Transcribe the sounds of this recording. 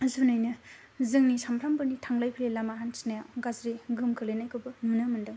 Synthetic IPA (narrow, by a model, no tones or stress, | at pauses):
zunajnɯ | zɯŋnisampʰɾʰambɯɾnitʰaŋlajpʰilelamaɦansi̥najawɡazɾiɡɯmkʰɯlenajkʰɯbɯnunɯmɯndɯŋ